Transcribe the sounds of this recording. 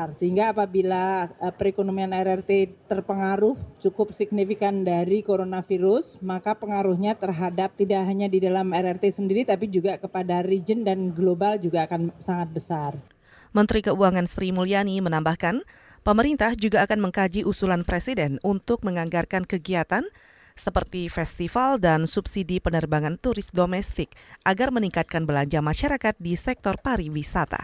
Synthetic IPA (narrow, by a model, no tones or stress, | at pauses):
rsəɦiŋɡaːpabilaəpəɾikonomianɛɾɛrt̪et̪ərpəŋaɾʊht͡ʃukʊp̚sik̚nifikandaɾikoɾonafiɾʊsmakapəŋaɾuhɲat̪ərɦadap̚t̪idaʔɦaɲadidalamɛɾɛrt̪esəndiɾit̪apid͡ʒuɡakəpadaɾid͡ʒəndanɡlobald͡ʒuɡaːkansaŋat̪̚bəsar | mənt̪ɾikəuaŋansɾimulianimənambahkan | pəməɾint̪ahd͡ʒuɡaːkanməŋkad͡ʒiʔusulanpɾesidɛnunt̪ʊk̚məŋaŋɡarkankəɡiat̪an | səpərt̪ifɛst̪ifaldansubsidipənərbaŋant̪uɾɪsdomɛst̪ɪk̚ʔaɡarməniŋkat̪̚kanbəlaɲd͡ʒamaʃaɾakat̪̚disɛk̚t̪ɔrpaɾiwisat̪a̰